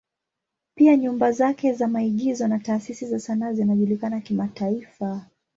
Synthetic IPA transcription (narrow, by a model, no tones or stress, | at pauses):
piaɲumbazakɛzamaiɠizɔnataːsisizasanazinaʄulikanakimataifa